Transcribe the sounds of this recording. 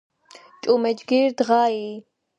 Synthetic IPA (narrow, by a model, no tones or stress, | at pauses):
t͡ʃʼumɛd͡ʒɡiɾd̪ʁai